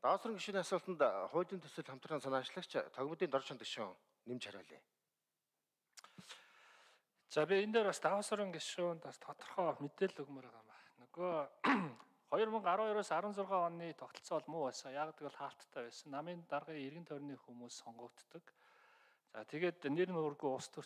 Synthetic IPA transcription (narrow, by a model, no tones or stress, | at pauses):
t̪awəsɔɾə̆ŋɡeʃuːniːasʊːɮt̪ə̆nt̪χʊːt̪iːnt̪ʰɵsɵ̆ɮʰam̥t̪rəːnsanaːt͡ɕɮə̆kt͡ɕʰt̪ʰœɣmə̆t̪iːnt̪ɔrt͡ɕʰɔnt̪ɡe̥ʃṵ | nemt͡ɕʰœɾʲʊ̰ːɮḭː | t͡saːpʲiend̪eːɾast̪awəːsɔɾə̆ŋɡeʃuːnt̪ast̪ʰɔt̪ɞ̥̆rχɔːmet̪eːɮɵɣmeːɾæːʁaːmaχnɵɣoː | χɔjɞ̆rmɵ̆ŋɢaɾʊːjœɾoːsaɾwə̆nt͡sʊrʁaːɔniːt̪ʰɔkt̪ɞ̆ɬt͡sɔɔɮmʊæːsɔːjaːʁaːt̪ikɔɮχaːɬt̪ʰːæːpæːsə̆nːamiːnt̪arʁiːŋerɣɘ̆nt̪ʰœɾʲniːxumuːsːɔɴɢɞ̆ːkt̪ːɞ̆k | t͡saːt̪ʰeɣeːt̪nernɵrɣujʊst̪ʰur̥